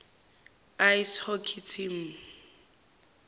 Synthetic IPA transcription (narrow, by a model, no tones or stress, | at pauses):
ajshɔkʰitʰim̩